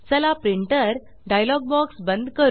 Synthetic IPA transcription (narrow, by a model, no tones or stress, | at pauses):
səlapɾiɳʈəɾ | ɖajlɔɡ̚bɔksbənd̪ʱkəɾ